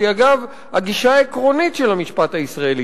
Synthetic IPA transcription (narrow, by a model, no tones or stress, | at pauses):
iaɡav | haɡiʃaːekʁo̞nitʃelhamiʃpathaisʁae̞li